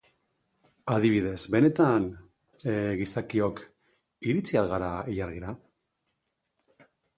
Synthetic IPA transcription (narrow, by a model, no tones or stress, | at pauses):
aðiβ̞ið̞e̞zbe̞ne̞t̪an | ɣisakio̞k | iɾit͡sialɣaɾaejaɾɣiɾa